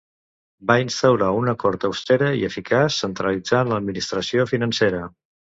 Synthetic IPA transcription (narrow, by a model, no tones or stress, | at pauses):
bainst̪əwɾaunəkɔɾt̪əwst̪eɾəḭəfikʰasːənt̪ɾəlid͡zanləd̪̚minist̪ɾəsiofinənseɾə